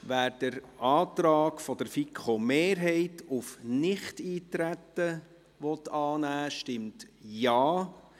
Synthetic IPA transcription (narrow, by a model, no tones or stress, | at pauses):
ʋæːɾd̥əɾɑːt̪ɾɑːɡfɔd̥əɾfikʰχomeːɾɦɛɪtufnɪχtiːtɾætːə | ʋɔtɑːnæːʃtɪmtjɑː